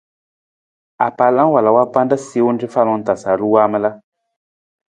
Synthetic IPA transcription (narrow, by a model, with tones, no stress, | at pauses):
a˨pa˨la˦ŋ˦wa˨la˨wa˦pa˦nda˦si˦wu˦n̩˦d͡ʒi˦fa˦lɔ˨˦n̩˨ta˨sa˨ɾu˦wa˦mə˦la˦